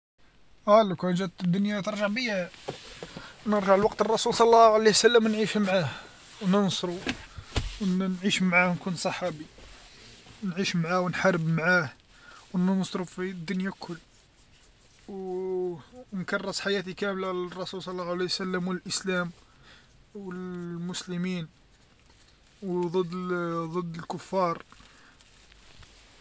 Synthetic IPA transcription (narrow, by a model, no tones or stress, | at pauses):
ʔælækæʒæt̪əd̪ːʊnjat̪əɾˤʒəʕbihæ | nəɾʒəʕlwɑqt̪ərˤːɑsulsˤɑlˤːɑʕalehsəlːəmwnʕiʃmʕah | wnənsˤɾu | wnʕiʃmʕahnkunsˤɑħɑbi | nʕiʃmʕawənħɑrˤːəbmʕah | wnənsˤɾufid̪ːʊnjakʰːʊlː | w | nkɑrˤːəsˤħajæt̪ikæmlalərˤːɑsulsˤɑlːɑlesəlːəmwəlʔəslæm | wəlmʊsləmin | wd̪ˤəd̪ːd̪ˤəd̪ːəlkʊfːɑɾˤ